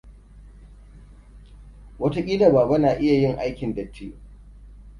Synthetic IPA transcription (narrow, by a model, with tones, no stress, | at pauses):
wɐ˦ta˦kʲʼiː˦da˨baː˨ba˦naː˨ʔɪ˦ja˨jɪ˦ŋʔa˦jkʲɪ˨ndɐ˨tʰːiː˦